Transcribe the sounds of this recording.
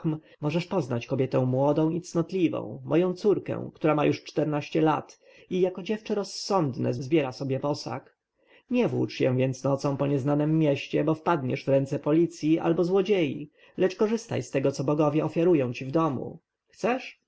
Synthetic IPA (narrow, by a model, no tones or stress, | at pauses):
m | mɔʐɛʂpɔznat͡ɕkɔbʲjɛt̪ɛ̃w̃mwɔd̪ɔ̃w̃it̪snɔt̪lʲivɔ̰̃w̃mɔjɔ̃w̃t̪suɾkɛ̰w̃kt̪uɾamajuʂt͡ʂt̪ɛɾnaɕt͡ɕɛla̰t̪ | ijakɔd͡ʑɛft͡ʂɛɾɔsːɔnd̪nɛ̰zzbʲjɛɾasɔbʲjɛpɔsa̰k | ɲɛvwṵt͡ʂjɛ̃vʲjɛnt̪snɔt̪sɔ̃w̃pɔɲɛznanɘmːjɛɕt͡ɕɛbɔfpad̪ɲɛʐvɾɛnt̪sɛpɔlʲit̪sʲjiʔa̰lbɔzwɔd͡ʑejḭ | lɛt͡ʂkɔʐɘst̪a̰jst̪ɛɡɔt̪sɔbɔɡɔvʲjɛɔfʲjaɾujɔ̃w̃t͡ɕivd̪ɔmṵ | xt̪sɛʂ